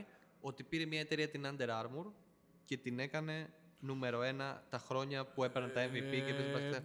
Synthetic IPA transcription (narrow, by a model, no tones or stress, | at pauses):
o̞t̪ipiɾe̞mɲɐe̞t̪e̞ɾiɐt̪inɐnd̪e̞ɾɐɾmuɾ | ce̞t̪ine̞kɐne̞ | nume̞ɾo̞e̞nɐt̪ɐxɾo̞ɲɐpue̞peɾɐnt̪ɐeɱvipicepespɐse